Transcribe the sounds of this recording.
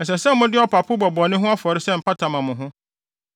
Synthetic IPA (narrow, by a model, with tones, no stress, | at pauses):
ɛ˨s̬ɛ˨sɛ˦m̩˦mʊ̃˦dɪ˦ɔ˨pʰa˨pʰʊ˦bɔ˨bɔ˨nɪ̃˦ɦʊ̃˦a˦fɔ˨ɾɪ˦sɛ˦m̩˨pʰa˦tʰã˨mã˨mʊ̃˨ɦʊ̃˦